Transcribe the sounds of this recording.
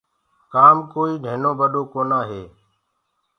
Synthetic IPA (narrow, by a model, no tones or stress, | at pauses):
kaːmkoːiːnʱeːnõːbəɗoːkoːnaːɦeː